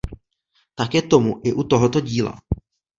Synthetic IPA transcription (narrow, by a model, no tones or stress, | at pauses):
t̪akɛːt̪o̞muʔɪʔut̪o̞ɦo̞t̪o̞ɟiːla̰